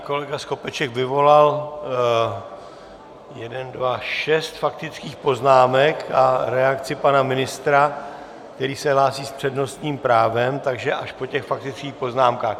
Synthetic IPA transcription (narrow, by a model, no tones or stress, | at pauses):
ko̞lɛɡasko̞pɛt͡ʃɛkvɪvo̞lal | jɛdɛndvaʃɛst̪fak̚t̪ɪt͡skiːxpo̞znaːmɛkaɾɛakt͡sɪpanamɪnɪst̪ɾa | kt̪ɛɾiːsɛɦlaːsiːspr̥ɛdno̞st̪ɲiːmpɾaːvɛmt̪aɡʒɛʔaʃpo̞cɛxfak̚t̪ɪt͡skiːxpo̞znaːmkaːx